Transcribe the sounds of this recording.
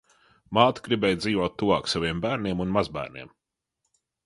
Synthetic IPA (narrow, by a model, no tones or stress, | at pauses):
maːt̪ɡɾibɛːjd̪ziːvɔt̪ːuvaːksaviɛmbæːɾnʲiɛmunmazbæ̰ːɾnʲḭɛm